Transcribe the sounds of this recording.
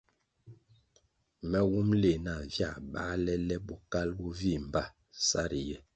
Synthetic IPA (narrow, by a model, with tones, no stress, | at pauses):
mɛ˦wu˦mle˨na˨vja˦˨ɓa̰˦lɛ˦lɛ˦bu˦ka˦lbu˦vi˦˨m˨ba˦ | sa˦ɾi˨jɛ˦